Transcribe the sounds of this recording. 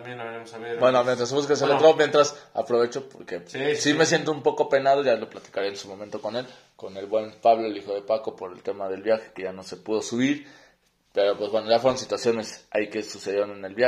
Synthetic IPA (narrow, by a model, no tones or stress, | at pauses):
bwenomjent̪ɾas̬βuskes̬elot̪ɾomjent̪ɾasa̰pɾo̞β̞e̞t͡ʃopo̞̰ɾkesime̞sje̞nt̪oumpo̞ko̞pe̞nað̞o̞ʝalo̞plat̪i̥kaɾeːnsumomẽnt̪o̞ko̞ne̞l | ko̞ne̞lβwe̞npaβloelixo̞ðe̞pako̞po̞ɾe̞̰lt̪e̞maðe̞lβjaxe̞̥keʝano̞se̞puð̞o̞suβiɾ | pe̞ɾo̞pwezβwe̞noʝafweɾonsit̪wasjo̞ne̞saike̞suse̞ð̞jeɾonene̞lβja